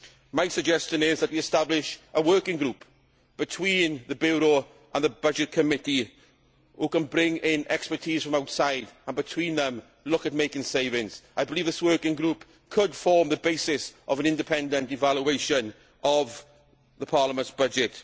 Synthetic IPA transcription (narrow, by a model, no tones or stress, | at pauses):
maɪsəɡ̚d͡ʒɛst͡ʃə̃nɪzðət̚wiɛstablɪʃʔəwɜˑ˞kɪ̃ŋɡɹup | b̥ɪtʰw̥ĩːnðəbjuːɹoʊ | ʔə̃nðəbʌd͡ʒɪt̚kʰəmɪti | hukə̃nbɹɪ̃ŋɪ̃nɛkspə˞tʰiːz̥fɹə̃maʊtsaɪdə̃nbɪtʰw̥ĩnðə̃m | lʊkət̚meɪkɪ̃ŋseɪvɪ̃ŋz̥aɪbɪliːvðɪswɜˑ˞kɪ̃ŋɡɹup | kʰədfɔːmðəbeɪsɪsʔəvə̃nɪ̃ndɪpʰɛ̃ndə̃ntɪvaljueɪʃə̃n | əv | ðəpʰɑːləmə̃ntsb̥ʌd͡ʒɪt